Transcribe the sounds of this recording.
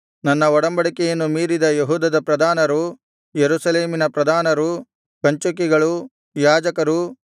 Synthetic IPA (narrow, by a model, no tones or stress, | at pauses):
nɐnːɐɔɽɐmbɐɽikɛjɐnːumiːɾid̪ɐjeɦuːd̪ɐd̪ɐpɾɐd̪ʱaːnɐɾu | jeɾuːsɐleːminɐpɾɐd̪ʱaːnɐɾu | kɐɲt͡ʃuk̬iɡɐɭu | jaːd͡ʒɐkɐɾu